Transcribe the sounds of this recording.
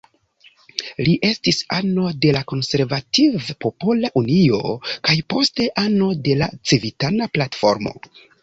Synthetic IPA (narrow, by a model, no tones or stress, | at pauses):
liʔe̞stisano̞de̞lako̞nse̞ɾvativpo̞polaʔunio̞̰kajpo̞ste̞ʔano̞de̞la̰t͡sivitanaplatfo̞ɾmo̞̰